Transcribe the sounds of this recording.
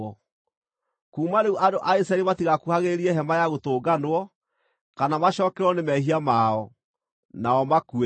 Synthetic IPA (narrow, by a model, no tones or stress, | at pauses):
ɔ | kuːmaneuʔadoʔaisaɛlimatiɣakuhaɣeɾiɛɦɛmajaɣotoːɡanwɔ | kanamaɕɔːkɛɾɔnemɛhiamaɔ | naɔmakue